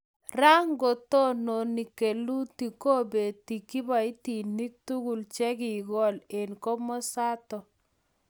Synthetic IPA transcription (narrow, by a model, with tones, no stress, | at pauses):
ra˦ŋɡo˨tɔ˦no˨ni˨ke˨lu˦ti˨ko˦be˨ti˨ki˦ba˨i˦ti˨ni˦k̚tu˦ku˨lt͡ʃɛ˦ki˨ɡɔ˦le˨nkɔ˦mɔ˦sa˦tɔ˨